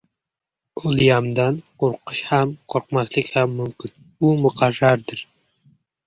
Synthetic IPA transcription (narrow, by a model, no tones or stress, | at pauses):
ʊlˠjɑmd̪anqʰoɾqʰɨʃhamqʰoɾqmaslˠɪkʲhamːʊmkʲɪn | umʊqʰɑrːaɾd̪ɪɾ